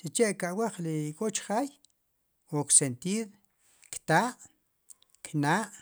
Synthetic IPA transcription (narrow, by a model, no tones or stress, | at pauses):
t͡ʃit͡ʃeʔkaʔwaχlikʼot͡ʃχaːj | woksent̪iːɾ | kt̪aːʔ | kʰnaːʔ